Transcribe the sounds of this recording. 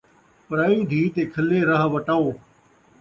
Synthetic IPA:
pəɾaːiːd̪ʱiːt̪eːkʰəleːɾəɦʋəʈaːoː

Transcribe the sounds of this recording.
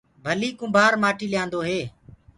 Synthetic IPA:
bʱəliːkʊ̃mbʱaːɾmaːʈiːlɪjãːnd̪oːɦeː

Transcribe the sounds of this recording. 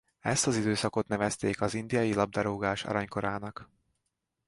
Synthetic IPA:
ɛst̪ɒzid̪øːsɒko̞t̪nɛvɛst̪eːkɒzind̪ijɒjilɒb̚d̪ɒɾoːɡaːʃɒ̰ɾɒɲko̞ɾaːnɒk

